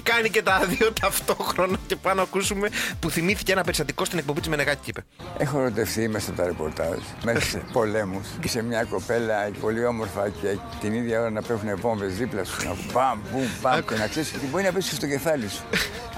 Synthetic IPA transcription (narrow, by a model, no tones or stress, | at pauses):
kɐnice̞t̪ɐðio̞t̪ɐft̪oxɾo̞nɐce̞pɐnoɐkusume̞puθimiθi̥ceenɐpeɾist̪ɐt̪ikost̪inek̚po̞bit̪zmeneɣɐci̥cipe | exoeɾo̞t̪e̞fθimesɐpot̪ɐɾepo̞̰ɾt̪ɐ̰z | messpo̞le̞mussemɲɐko̞pe̞lɐpo̞lio̞mo̞ɾfɐce | t̪iniðʝɐo̞ɾɐnɐpevunevo̞ɱvezðiplɐsunɐ̰kupambumpɐenɐkseiset̪ibo̞ɾinɐpesi̥sst̪oce̞fɐlisu̥